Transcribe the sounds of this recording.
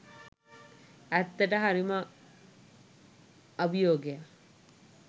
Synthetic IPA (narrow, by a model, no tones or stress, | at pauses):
æt̪ːəʈəɦaɾimə | bijoːɡeja